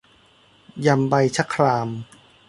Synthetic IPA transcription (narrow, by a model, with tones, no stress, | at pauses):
ja˧mba˧jt͡ɕʰa˦˥kʰːɾaː˧m